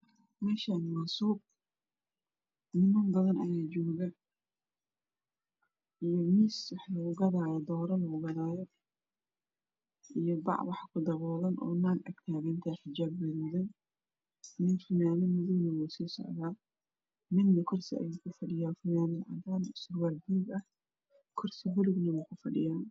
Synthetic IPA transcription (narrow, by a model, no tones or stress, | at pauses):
mɛːʃanmaːsuːb̚ | nɪmɐmbɐðɐnɐjaːd͡ʒɔːɣɐ | ʔijɔmiːswɑħlɐʊɣɐðaːjɔd̪ɔːɾɐlɐʊɣɐðaːjɔ | ʔijɔbɑ̰ʕwɑħkʰʊd̪ɐɣɔːlɐnʔɔ̰ːnaːɡʔɐɡt̪ʰaːɣɐnt̪ʰaːħɪd͡ʒaːbːɛʊðɐn | mɪnfʊnaːmɪmʊðʊɡnɐwɛjsiːsɔ̰ʕðaː | mɪd̪ːɐkʰʊrsɪɐ̰jɛːkʰʊfɐɖɪjaːfʊnaːmɪlʕɑ̰d̪aːnsʊrwaːlbulɡɐh | kʰʊrsɪbʊlʊɡnɐwɛjkʰʊfɐɖɪ̰jaːn